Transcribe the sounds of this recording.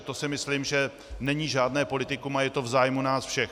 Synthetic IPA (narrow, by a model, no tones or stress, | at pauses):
t̪o̞sɪmɪslimʒɛ | nɛɲiːʒaːdnɛːpo̞lɪt̪ɪkumajɛt̪o̞vzaːjmunaːsfʃɛx